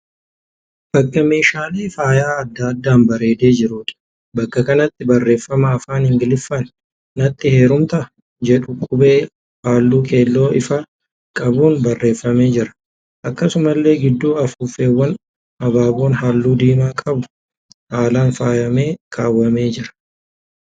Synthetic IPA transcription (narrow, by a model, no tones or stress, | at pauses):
b̥ɐkʼːɐme̞ːʃaːleːfaːjaːɐd̪ːad̪ːaːnbɐɾe̞ːd̪e̞ːd͡ʒɪɾuːᶑ̪ɐ̥ | bɐkːɐkɐnɐt̪ːɪbɐrːe̞ːfːɐmɐːfaːnhɪŋɡɪlɪfːɐnː | ɐt̪ʼːɪhe̞ːɾʊmt̪ɐ | d͡ʒɛᶑʊkʼʊbe̞ː | haːlːuːkʼe̞ːlːo̞ːɪfɐ | kʼɐbuːnbɐrːe̞ːfːɐme̞ːd͡ʒɪɾɐ̥ | ʔɐkːɐsʊmɐlːe̞ːɡɪd̪ːuːɐfuːfe̞ːwːɐn | ɐbaːbo̞ːnhaːlːuːd̪iːmaːkʼɐbʊ̥ | haːlaːnfaːjɐmeːkʰʼaːwːɐme̞ːd͡ʒɪɾɐ̥